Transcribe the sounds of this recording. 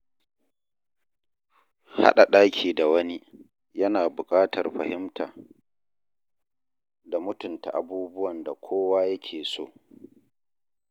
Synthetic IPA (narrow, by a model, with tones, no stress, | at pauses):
ha̰˦ɗa˨ɗaː˦kʲʰiː˨da˨wɐ˦ni˦ | jɐ˦naː˨bʊ˨kʼaː˦tʰɐ̰˨rɸɐ̰˨hɪ˦mtʰa̰ː˨ | da˨mʊ˦tʊ˨nta̰˨ʔa˨buː˦bʊ˦wɐ˨nda˨kʷʰoː˦waː˦jɐ˦kʲʰeː˨so̰ː˦˨